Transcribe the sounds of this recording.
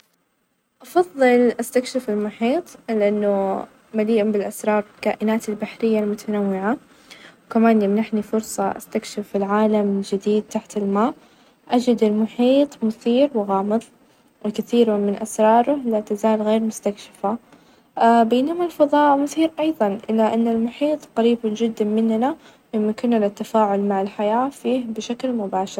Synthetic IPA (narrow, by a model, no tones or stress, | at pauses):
ʔɑfɑðˤːɨlʔast̪akʃɪfɪlmʊħiːt̪ˤlɪʔanːʊ | maliːʔʊbɪlʔasɾˤɑːɾˤɪkaːʔɪnaːt̪ɪlbaħɾɪjːalmʊt̪ʰanawːɪʕa | wkamaːnjɪmnaħnifʊɾsˤɑʔa̰st̪akʃɪfɪlʕaːlamd͡ʒɪd̪iːd̪̚t̪aħt̪ɪlmaːʔ | ʔad͡ʒɪd̪ɪlmʊħiːt̪ˤmʊθiːɾwɪɣɑːmɨðˤ | wɪkɪθiːɾmamɪnʔasɾˤɑːɾˤʊlat̪azaːlɣeːɾmʊst̪akʃɪ̥fa | beːnamalfɑðˤɑːʔmʊθiːɾʔɑjðˤɑnʔɪlːaʔanːalmʊħiːt̪ˤqɑɾiːbd͡ʒɪd̪ːamɪnːna | jɪmːɪkɪnːalat̪ːafaːʕʊlmaʕɪlħajaːfiːhbɪʃaklmʊbaːʃɪɾ